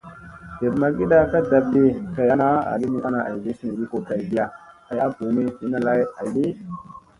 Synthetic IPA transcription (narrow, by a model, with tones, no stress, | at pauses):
d̥e˨bma˨ɡi˦ɗa˨ka˦da˨b̚di˦ka˨ja˦na˦a̰˨li˦ni˦ʔa˦na˨ʔa̰˨jzi˦si˦ni˨ɗi˦ko˨ka˨jɡi˦ja˨ka˨ja˦bu˨mi˦si˨˦na˦la˦ja˨jɗi˦